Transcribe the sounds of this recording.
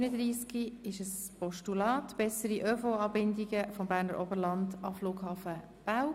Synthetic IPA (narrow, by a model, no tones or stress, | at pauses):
ynədɾiːskiɪʃəs | pɔʃtulɑːtb̥ɛsəɾiʔœːfɔɑːbɪndiɡəfɔmbæːɾnəɾʔɔbəlɑndɑ̰fluːɡ̥hɑːfə | b̥aw